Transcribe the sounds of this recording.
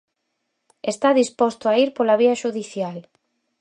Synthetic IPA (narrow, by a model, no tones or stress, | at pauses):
est̪aðispɔst̪oaiɾpolaβ̞iɐʃuðiθjal